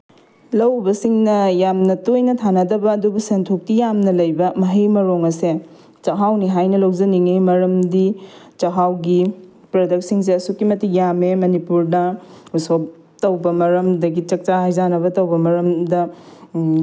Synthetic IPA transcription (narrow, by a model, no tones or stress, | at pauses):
lɐwbɐsiŋnɐjamnɐtojnɐtʰanɐdɐbɐːdubɐsentʰok̚tijamnɐlɐjbɐmɐɦɐjmɐɾoŋɐse | t͡ʃɐɦawniɦajnɐlowzɐniŋemɐɾɐmdit͡ʃɐɦawɡi | pɾɐdɐk̚siŋs̬eɐsukːimɐtijamemɐnipuɾnɐusop | tɐwbɐmɐɾɐmdɐɡit͡ʃɐk̚t͡ʃahajzanɐβɐtɐwbɐmɐɾɐmdɐ